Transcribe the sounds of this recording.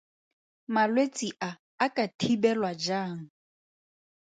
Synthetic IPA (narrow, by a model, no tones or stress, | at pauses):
malwet͡sʼiʔaː | kʼatʰibɛlwad͡ʒaːŋ̩